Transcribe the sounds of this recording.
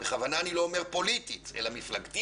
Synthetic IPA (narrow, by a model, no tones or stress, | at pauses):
b̥eχavanaːnilo̞ːme̞ʁpo̞lit̪it̪e̞̰lamiflaɡt̪i